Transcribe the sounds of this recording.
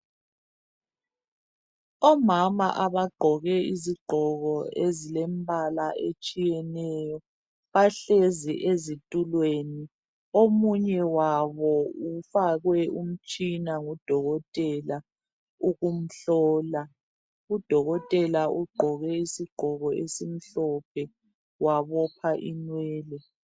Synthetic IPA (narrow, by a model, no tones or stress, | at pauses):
ɔmama̰ʔaβaɡ͡ǃʱɔɣɛiziɡ͡ǃʱɔɣɔezilembʱalaʔet͡ʃʼijɛnɛjɔ | βaɬeziʔezitʼulweni | omuɲɛwaβɔufaɣwɛʔum̩t͡ʃʼinaŋud̥ʱɔɣɔtʼɛla | uɣum̩ɬɔːla | ud̥ʱɔɣɔtʼɛlaʔuɡ͡ǃʱɔɣɛisiɡ͡ǃ̥ʱɔɣɔesim̩ɬɔpʰɛ | waβɔpʰaʔinwɛːlɛ